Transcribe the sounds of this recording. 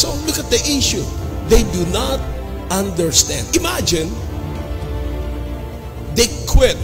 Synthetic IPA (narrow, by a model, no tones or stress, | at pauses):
solʊkat̪̚d̪iʔɪʃuðeɪdunat̪̚ | ãndəɹst̪æ̃ndɪmæd͡ʒɪ̃n | d̪eɪkʰwɪt̚